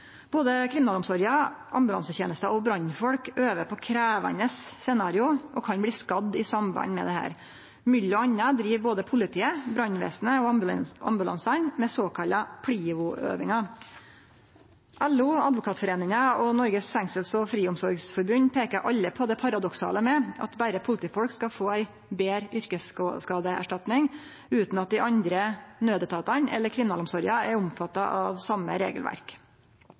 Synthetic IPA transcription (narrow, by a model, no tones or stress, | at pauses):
b̥oːd̪əkʰɾɪmnɑːlʊmsɔɾjɑʔɑ̰mbʉlɑ̰nsəçeːnəst̪əʔɔbɾɑnːfɔlkøːʋəpʰɔkʰɾæːʋɑ̰nəsːɛnɑːɾɪʊʔɔkʰɑnbliːskɑd̪ːɪsɑmbɑ̰nmɛ̰d̪ɛhæ̰ːɾ | mʏlːɔɑnːəd̪ɾiːʋboːd̪əpʰʊlɪt̪ʰiːəbɾɑnːʋḛːsnəɔɑ̰mbʉlɑ̰nsɑnmɛsoːkʰɑlɑpʰɽiːʊʔø̰ːʋɪŋɑ | ʔælːʊɑd̪ʋʊkʰɑːt̪fɔɾeːnɪŋɑɔnɔɾɡəsfæŋsəlsɔfɾiːʊmsɔɾɡsfɔɾbʉnpʰeːkəɾʔɑʎːəpʰɔd̪ɛpʰɑɾɑd̪ɔksɑ̰ːləmɛʔɑ̰t̪bæɾəpʰʊlɪt̪iːfɔlkskɑfoːæɪ | beːɾʏɾkəsskɑːd̪əæ̰ʂʈɑt̪nɪŋ | ʉːt̪nɑt̪̚d̪ɪʔɑnd̪ɾənøːd̪ət̪ʰɑːt̪ɑnɛ̰lːəɾkʰɾɪmɪnɑːlʊmsɔɾjɑæɾʊmfɑt̪ːɑʔɑʋsɑmːə̰ɾḛːɡəlʋæ̰ɾk